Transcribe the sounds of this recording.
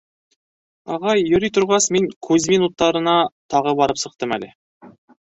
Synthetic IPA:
ɑʁɑjːɵ̆ɾijt̪ʰʊɾʁɑsmeŋkʰɵzminut̪ːɑɾə̆nɑt̪ʰɑʁəbɑɾəpsɤ̆q̚t̪əmælɪ

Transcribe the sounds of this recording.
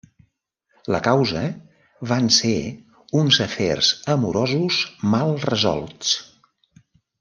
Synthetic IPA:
ləkawzə | βanse | unzəfḛrz̥əmuɾɔzuzmalˠrəzɔ̰lˠt͡s

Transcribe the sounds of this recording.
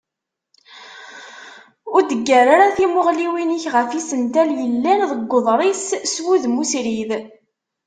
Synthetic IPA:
ʊɾd̪əɡːəɾaɾaθimoʁliwinəçʁəfisənt̪æljəlːænðəɡʷːoðˤɾˤisswuðmusɾið

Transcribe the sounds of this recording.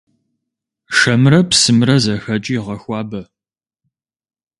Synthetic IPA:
ʂɐmrɐpsɨmrɐzɐxɐt͡ʃʼiːʁɐxʷɑːbɐ

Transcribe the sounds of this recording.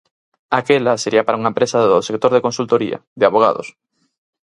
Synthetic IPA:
akelaseɾiɐpaɾauŋɐempɾesaðosek̚t̪oɾðekonsult̪oɾḭɐ̰ðɪaβoɣ̞a̰ðo̰s

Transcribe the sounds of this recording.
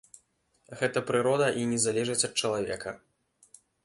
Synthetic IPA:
ɣɛt̪ɐpɾɨɾɔd̪ɐʔinʲɛzalʲɛʐɨt͡sʲɐt̪̚t͡ʂɐlˠavʲɛ̰kʰɐ

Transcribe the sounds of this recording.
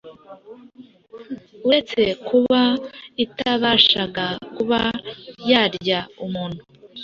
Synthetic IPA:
wet͡se̞kuβaitaβaʃaɡakuβajaːɾɟaumuːn̥hu

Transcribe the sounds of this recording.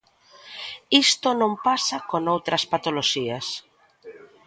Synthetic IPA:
ist̪onõmpasakonowt̪ɾɐspat̪oloʃiɐs

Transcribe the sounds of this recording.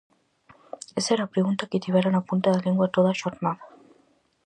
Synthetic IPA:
esɛɾapɾeɣunt̪akit̪iβaɾanapunt̪aðaʎeŋɡwat̪oðaʃɔt̪man

